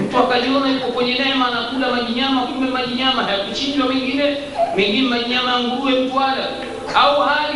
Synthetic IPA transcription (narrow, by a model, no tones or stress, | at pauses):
m̩tuakaʄiɔnajukɔkwɛɲɛnɛɛmaːnakulamaʄiɲamakubɛmaʄiɲamaɦajakut͡ʃind͡ʒwamɛŋɡinɛ | mɛŋɡinɛmaɲiɲamajaŋɡuwɛm̩tuala | auhaɾi